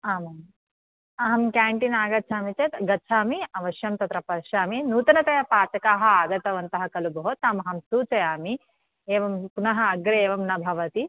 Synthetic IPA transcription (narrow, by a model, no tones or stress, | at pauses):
aːmɐ | ɐɦɐmkaːɳʈinaːɡɐt̪ːt͡ʃʰaːmit͡ʃet̪ɡɐt͡ʃʰaːmiɐʋɐʃjɐmt̪ɐt̪ɾɐpɐɾʃaːminuːt̪ɐnɐt̪ɐjɐpaːt͡ʃɐkaːɦɐaːɡɐt̪ɐʋɐnt̪ɐɦɐkɐlubʱɐɦoːt̪aːmɐɦɐmsuːt͡ʃɐjaːmi | eːʋɐmpunɐɦɐ̆ːɡɾeeːʋɐmnɐbʱɐʋɐt̪i